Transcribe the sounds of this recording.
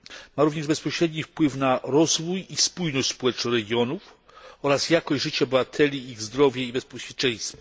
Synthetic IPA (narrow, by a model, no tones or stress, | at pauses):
maɾuvɲɛʐbɛspɔɕɾɛd̪ɲifpwɘfnaɾɔzvujispujnɔɕt͡ɕʲspɔwɛt͡ʂnɔ̃ɾɛɡʲjɔnuf | ɔɾasjakɔʑʐɘt͡ɕɛbɘvat̪ʰɛlʲiiɣzd̪ɾɔvʲjɛibɛspɔɕʲjɛt͡ʂɛ̃j̃st̪fa